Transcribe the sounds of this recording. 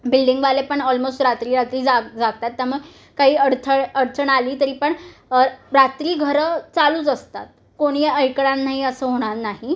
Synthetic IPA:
bilɖiŋɡʋalepəɳɔlmosʈɾat̪ɾiːɾat̪ɾiːd͡zad͡zaɡ̚t̪at̪ːaɾməɡ | kaɦiːəɾt̪ʰəəɾt̪ʰəɳaliːt̪əɾiːpəɳ | ɾat̪ɾiːɡʱəɾət͡saluːt͡səst̪at̪̚ | koɽ̃iəjkɭãnnːaɦiəsəːɦoɽ̃aɾnaɦi

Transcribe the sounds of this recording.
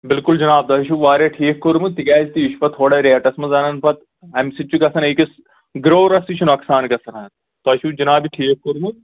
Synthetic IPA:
bɪlkuld͡ʒɐnaːb̚d̪ɐʃ̬uʋaːɾeʈʰiːkkːoɾmut̪ikaːd͡ʒt̪ijiʃpɐt̪ʰoːɽɐɾeɐʈɐsmɐzɐnɐnpɐt̪ | ɐmsit͡ʃukɐsɐneːkis | ɡɾoːɾɐsit͡ʃʰunɐksaːnkɐsɐnɐɐt̪ | t̪oɐʃud͡ʒɐnaːbiʈʰiːk̚koɾmu

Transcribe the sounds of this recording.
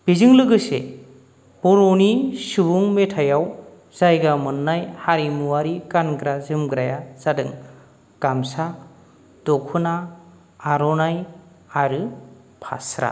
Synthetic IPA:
b̥izɯŋlɯɡɯsḛ | b̥ɔɾonisubuŋmetʰajaw | z̥ajɡamɯnːajhaɾimuwaɾikanɡɾazɯmɡɾajaz̥adɯŋ | ɡ̥amsa | d̥ɔkʰunaː | ɾɔnaj | aɾɯ | pʰa̰sɾa̰

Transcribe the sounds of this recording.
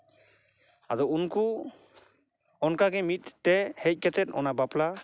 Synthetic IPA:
ad̪ɔunku | ɔnkaɡɛmit̪̚ːɛhɛc̚ˀkɛt̪ɛt̪ɔ̰nabapla

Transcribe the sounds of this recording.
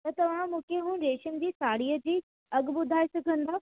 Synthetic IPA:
t̪ɐt̪ɐʋ̤ãmũːkʰeɦũːɽ̆ɾeːʃənɪ̆d͡ʑiːsaːɽiːəd͡ʑiː | ɐɡbʊd̪ʱaːesɐɡʱə̃nd̪aː

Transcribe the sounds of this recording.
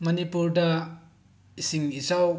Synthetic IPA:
mɐnipuɾdɐ | isiŋisaw

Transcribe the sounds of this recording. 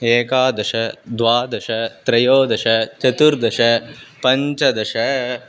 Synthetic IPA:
eːkaːd̪ɐʂɐd̪ʋaːd̪ɐʂɐt̪ɾɐjoːd̪ɐʂɐt͡ʃɐt̪uɾd̪ɐʂɐpɐɲt͡ʃɐd̪ɐʂɐ

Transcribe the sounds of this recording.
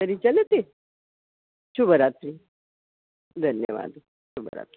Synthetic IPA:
əɾit͡ɕalet̪e | ɕubʱəɾat̪ɾi | d̪ʱənjəʋa̰d̪ʱu | ɕubəɾa̰t̪ɾi

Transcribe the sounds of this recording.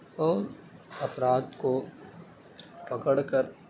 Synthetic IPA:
ɔːɾɐpɾaːd̪ko | pɐkəɽkəɾ

